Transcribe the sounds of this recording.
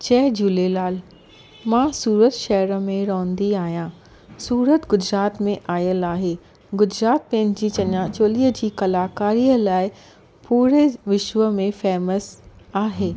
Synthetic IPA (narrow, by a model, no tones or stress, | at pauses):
t͡ɕɛːɦd͡ʑuːlelaːl | mãːsuːɾət̪ʃɐɦəɾə̆mẽɾɔ̃ːə̃nd̪iaːɦijãː | suːɾət̪ɡʊd͡ʑɾaːt̪mẽʔaːjəlaːɦeː | ɡʊd͡ʑɾaːt̪̚pɛ̃ːd͡ʑd͡ʑiːt͡ɕɐɲãt͡ɕoːliːɦəd͡ʑiːkɐlaːkaːɾiːəlaːɪ | puːɾeʋɪʃʋəmẽfɛːməsaːɦeː